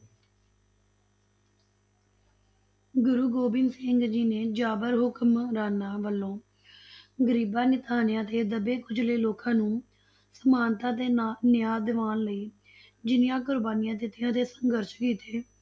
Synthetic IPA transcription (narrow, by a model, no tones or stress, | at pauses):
ɡʊɾuːɡoːbɪ̃ŋɡsɪŋɡd͡ʒiːneːd͡ʒaːbəɾɦʊkmɾaːnaːʋəlːõː | ɡəɾiːbaːnɪt̪aːnɪjãːt̪eːd̪əbeːkʊd͡ʒleiːloːkãːnũː | səmaːnt̪ãːt̪eːnɪjaːd̪ɪʋaːnləiː | d͡ʒɪnjãːk̬ʊɾbaːnɪjãːd̪ɪt̪ːɪjãːt̪eːsəŋɡəɾʃkiːt̪ʰeː